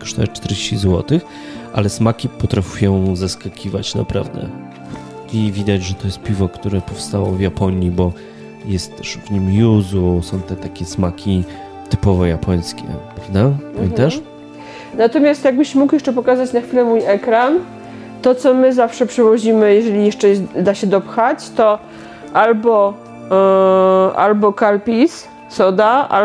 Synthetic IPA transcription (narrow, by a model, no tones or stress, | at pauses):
kɔ̥ʂt̪ɔɛt͡ʂt̪ɛɾd͡ʑeɕt͡ɕizwɔt̪ɘx | ʔa̰lɛsmakʲipɔt̪ɾafʲuujɔ̃w̃zaskakʲʰiva̰t͡ɕna̰pɾa̰vd̪ɛ̰ | ʔivʲid̪ad͡ʑʐɛt̪ɔjɛst̪̚pʲivɔkt̪uɾɛpɔfst̪awɔ̰vjapɔɲibɔ | jɛst̪ːɛʂvɲimjuzusɔ̃w̃t̪ɛt̪akʲɛsmakʲi | t̪ɘpɔvɔjapʰɔj̃skʲɛ̰pɾavd̪apamʲɛ̰nt̪aʂ | nat̪ɔmʲjast̪jaɡ̚bɘɕmukjɛʂt͡ʂɛpɔkazat͡ɕnaxfʲilɛmujɛkɾan | t̪ɔt̪sɔmɘzafʂɛpʂɛvɔʑimɘjɛʐɛlʲijɛʂt͡ʂɛd̪aɕɛd̪ɔpxat͡ɕt̪ɔ | ʔalbɔ | ʔa̰lbɔkalpʲis | t̪sɔd̪aʔa̰